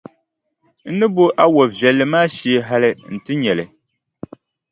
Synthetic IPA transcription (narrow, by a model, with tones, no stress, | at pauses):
n̩˦nɨ˦bo˦ʔa˦wɔ˨vjɛ˨lːɨ˨maː˦ʃi˦e˦ɦa˦lɨ˦n̩˨tɨ˦ɲɛ˨lɨ˨